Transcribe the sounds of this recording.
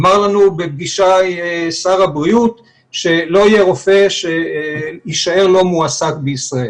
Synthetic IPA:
maʁlanubeb̚ɡiʃasaʁabʁiut | ʃe̞lo̞ijeʁo̞fe̞ʃe | iʃae̞ʁlo̞muasakbeisʁael

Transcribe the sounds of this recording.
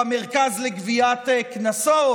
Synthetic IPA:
ameʁkazleɡviat̪ːknaso

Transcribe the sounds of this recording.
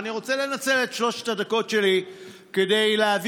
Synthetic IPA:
niʁo̞t͡sele̞nat͡se̞letʃlo̞ʃe̥tadako̞tʃe̞li | kede̞jleav

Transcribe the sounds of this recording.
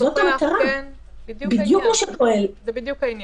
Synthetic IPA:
zot̪amat̪aʁa | bid̪jukmaʃepoʔel

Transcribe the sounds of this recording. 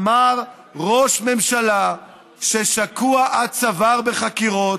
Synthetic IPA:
maʁ | ʁo̞ʃme̞mʃala | ʃeʃakuaʔad̪̚t͡savaʁbe̞χakiʁo

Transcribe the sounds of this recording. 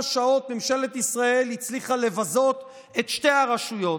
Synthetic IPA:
ʃao̞t̪memʃe̞le̞t̪isʁae̞lhit͡sliχale̞vazo̞t̪ | et̪ʃte̞aʁaʃujo̞

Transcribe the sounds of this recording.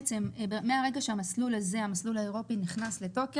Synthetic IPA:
t͡se̞mbemːe̞aʁeɡaʃeamaslulaze̞hamaslulaeʁo̞piniχnasle̞to̞k

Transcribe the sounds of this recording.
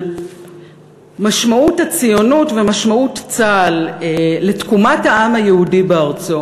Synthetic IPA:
maʃmauthat͡sijo̞nutve̞maʃmautt͡salle̞tkumathaamajeudibeaʁt͡so

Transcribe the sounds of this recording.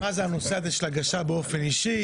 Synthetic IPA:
mazeano̞seazeʃelaɡaʃabeo̞fe̞niʃi

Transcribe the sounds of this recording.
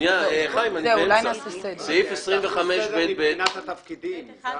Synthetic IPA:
jaeχajimanilajnasesd̪seifesʁimveχameʃbet̪̚bet̪at̪t̪ɐfkid̪im

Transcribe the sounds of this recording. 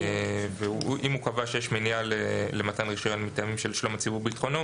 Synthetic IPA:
eveuʔimukavaʃejeʃminjalelemat̪anʁiʃojonmet̪ajamimʃelʃlomat͡sibubeit̪χo̞no

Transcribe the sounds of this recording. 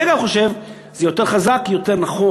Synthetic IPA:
eɡaχo̞ʃev | z̥ejo̞t̪e̞ʁχazakjo̞te̞ʁnaχo

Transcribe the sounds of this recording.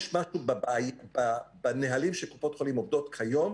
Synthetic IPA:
ʃmaʃubabajbabaneɦalimʃekopot̪χolimovd̪o̞t̪kʰajo̞m

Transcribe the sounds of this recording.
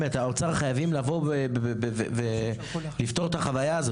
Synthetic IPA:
et̪aot͡saʁχajavimlavo̞bebebevḛve | lift̪o̞ʁet̪aχavajaːzo

